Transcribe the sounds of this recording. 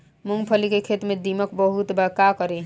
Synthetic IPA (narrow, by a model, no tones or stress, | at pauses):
muŋɡpʰəlikekʰet̪mẽd̪iməkbəɦut̪bəkakəɾe